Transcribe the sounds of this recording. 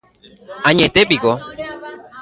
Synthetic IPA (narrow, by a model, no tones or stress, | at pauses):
aɲet̪epiɡo